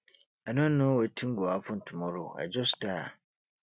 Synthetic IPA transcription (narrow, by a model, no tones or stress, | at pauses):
anʊ̃nʊ̃wɔtʰĩŋ̩ɡɔapʰʊ̃n̩tʰumɔ̃ɾʊa̰d͡ʑɔsta